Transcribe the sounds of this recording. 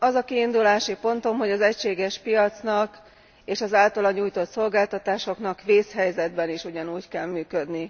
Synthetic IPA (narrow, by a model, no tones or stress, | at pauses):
ɒzɒkiːnd̪ulaːʃipo̞nt̪o̞mɦo̞ɟɒzɛcʃeːɡɛʃpijɒt̪snɒk | eːʃɒzaːlt̪ɒlɒɲuːjt̪o̞t̪so̞lɡaːlt̪ɒt̪aːʃo̞knɒkʋeːshɛjzɛd̪bɛniʃuɟɒnuːckɛlmyːkød̪ni